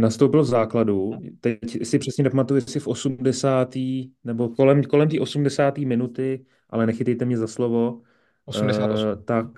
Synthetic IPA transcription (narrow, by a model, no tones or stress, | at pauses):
nast̪owpɪlvzaːkladut̪ɛcsɪpr̥ɛsɲɛnpamat̪ujɛsɪfʔo̞sumdɛsaːt̪iːnɛbo̞kolɛmko̞lɛmt̪iːʔosumdɛsaːt̪iːmɪnut̪ɪ | ʔa̰lɛnɛxɪt̪ɛjt̪ɛmɲɛzaslo̞vo̞ | at̪ak̚